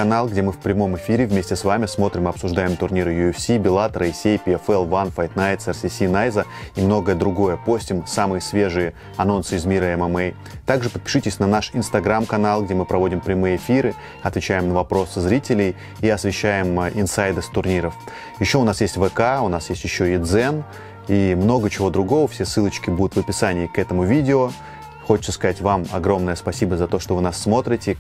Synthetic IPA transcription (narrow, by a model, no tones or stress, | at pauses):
ɐnalˠɡdʲemɨfpɾʲɪmo̞mɨfʲiɾʲɪvmʲesʲtʲɪsvamʲɪsmo̞t̪ɾʲɪmɨɐpsʊʐd̪ajɪmt̪ʊrnʲiɾɨjʊɛfsʲibʲɪlˠat̪ɾɐjsʲejpʲɪɛfɛlˠvanfajt̪najt̪sɛrsʲɪsʲinajzə | imno̞ɡəjəd̪ɾʊɡo̞jəpo̞sʲtʲɪmsamɨjəsʲvʲeʐɨjə | ɐno̞nsɨɪzmʲiɾəɛmɛmɛj | t̪aɡʐɨpət̪̚pʲɪ̥ʂɨtʲɪsʲnɐnaʂɪnst̪ɐɡɾamkɐnalˠɡdʲe̞mɨpɾɐvo̞dʲɪmpɾʲɪmɨjəɪfʲiɾɨ | ɐt̪vʲɪt͡ɕæjɪmnəvɐpɾo̞sɨzɾʲitʲɪlʲɪj | iɐsvʲɪɕːæjɪmʔɪnsajd̪ɨst̪ʊrnʲiɾəf | jɪɕːo̞ʊnasjesʲtʲvɛkaʊnasjesʲtʲjɪɕːoid̪zɛn | imno̞ɡət͡ɕɪvo̞d̪ɾʊɡo̞vəfsʲe̞sːɨlˠət͡ɕkʲɪbud̪ʲʊt̪vəpʲɪsanʲɪːkɛt̪əmʊvʲidʲɪo | xo̞t͡ɕɪ̥t̪səskɐzatʲvamɐ̰ɡɾo̞mnəjəspɐsʲibəzɐt̪o̞ʂt̪ovɨnasːmo̞t̪ɾʲɪtʲɪ